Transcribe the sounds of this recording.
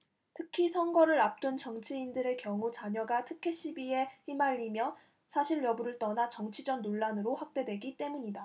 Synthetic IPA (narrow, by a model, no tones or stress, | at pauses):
tʰɯkʰisʰʌnɡʌɾɯɾap̚t͈unt͡ɕʌŋt͡ɕʰiindɯɾe̞kjʌŋut͡ɕaɲʌɡatʰɯkʰe̞ɕ͈ʰibie̞çimaʎːimjʌ | sʰaɕʰiɭjʌbuɾɯɭt͈ʌnat͡ɕʌŋt͡ɕʰid͡ʑʌnnoɭːanɯɾoɸwak̚t͈e̞dwe̞ɡit͈e̞muɲida